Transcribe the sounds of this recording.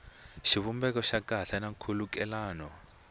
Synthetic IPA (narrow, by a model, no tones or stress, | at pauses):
ʃiβumbɛkɔʃakaɬanakʰulukɛlaːnɔ